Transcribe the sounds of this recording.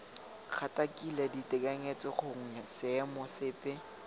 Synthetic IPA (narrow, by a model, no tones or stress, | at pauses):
k͡xʰatʼakʼilɛditʼɛkʼɛŋet͡sʼɪχʊŋ̩ɛsɪɛmɔsɪːpʼɛ